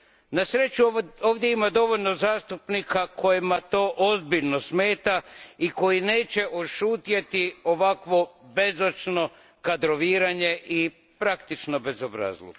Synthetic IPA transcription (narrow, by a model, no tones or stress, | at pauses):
nasɾe̞t͡ɕuoːʋd̪je̞imad̪o̞ʋo̞ʎno̞zaːst̪upnikakʰo̞jimat̪o̞ːʔozbiʎnosme̞ːt̪aiko̞jine̞ːt͡ɕe̞ʔoʃuːt̪jet̪io̞ʋakʋo̞be̞zot͡ʃno̞ | kad̪ɾo̞ʋiːɾaɲe̞ʔi | pɾakt̪it͡ʃno̞be̞zobɾa̰zlˠo̰